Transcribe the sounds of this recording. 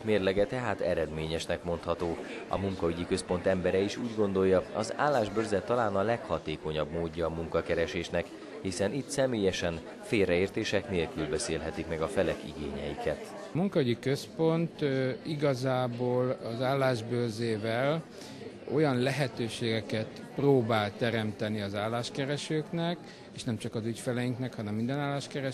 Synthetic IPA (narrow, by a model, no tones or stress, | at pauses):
meːrlɛɡɛt̪ɛɦaːt̪ɛɾɛd̪meːɲɛʃnɛkmo̞nt̪hɒt̪oː | ɒ̰muŋkɒyɟikøspo̞nt̪ɛmbɛɾɛiʃuːɟɡo̞nd̪o̞jːɒɒza̰ːlːaːʒbøːrzɛt̪ːɒlaːnɒlɛkhɒt̪eːko̞ɲɒbmoːɟːɒːmuŋkɒkɛɾɛʃeːʃnɛk | hisɛnit̪sɛmeːjɛʃɛn | feːlrɛeːrt̪eːʃɛkneːlkylbɛseːlɦɛt̪ikmɛɡɒfɛlɛkḭɡeːɲɛjikɛt̪ | muŋkɒyɟikø̞spo̞nt̪iɡɒzaːboːlɒzaːlːaːʒbøːrzeːvɛl | o̞̰jɒnlɛɦɛt̪øːʃeːɡɛkɛt̪ | proːbaːlt̪ɛɾɛmt̪ɛniɒzaːlːaːʃkɛɾɛʃøːknɛk | eːʃnɛmt͡ʃɒkɒzycfɛlɛjiŋknɛkhɒnɛmːind̪ɛnaːlːaːʃkɛɾɛ